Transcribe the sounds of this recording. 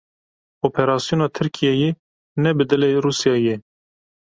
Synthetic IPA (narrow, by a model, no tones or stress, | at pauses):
oːpʰɛɾɑːsijoːnɑːt̪ʰɨɾkʰijɛje | nɛbɨd̪ɨleruːsjɑːje